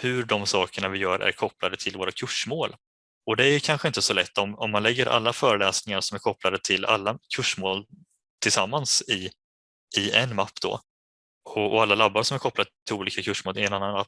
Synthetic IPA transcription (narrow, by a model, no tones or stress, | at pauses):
hɵɖɔmsɑːkəɳavɪjœːɾʔæ̰ɾkʰɔpːlad̪ət̪ʰɪlvoːɾakʰɵʂmoːl | ɔd̪ɛæjkʰanɧəɪnt̪əsɔlɛt̪ːɔmɔmːanlɛɡːəɾʔa̰lːafœːɾəlɛːsnɪŋaɾʂɔmæɾkʰɔpːlad̪ət̪ʰɪla̰lːakʰɵʂmoːl | t̪ʰɪlsamːansɪ | ɪɛnmapːd̪ɔ̰ː | ɔɔalːalabːaɾʂɔmæɾkʰɔplad̪t̪ʰɪluːliːkakʰɵʂmoːlɪɛnanːanːapː